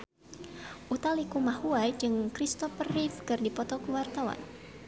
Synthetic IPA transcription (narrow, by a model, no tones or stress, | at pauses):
ʔut̪alikumahuajd͡ʒɨŋkɾist̪ɔfərifkɨrdipɔt̪ɔkəwart̪awa̰n